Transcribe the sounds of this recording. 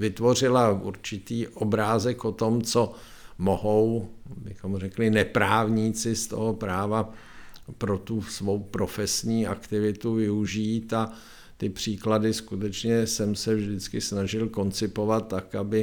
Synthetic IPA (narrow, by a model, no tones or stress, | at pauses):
vɪt̪vo̞r̝ɪlaʔṵɾt͡ʃɪt̪iːʔobɾaːzɛkot̪omt͡so | moɦowbɪxomrɛklɪnɛpɾaːvɲiːt͡sɪst̪o̰ɦopɾaːva | pɾo̞t̪usvo̞wpɾofɛsɲiːʔakt̪ɪvɪt̪uvɪuʒiːt̪a | t̪ɪpr̥iːkladɪskut̪ɛt͡ʃɲɛsɛmsɛvʒdɪt͡skɪsnaʒɪlko̞nt͡sɪpo̞vat̪ːakabɪ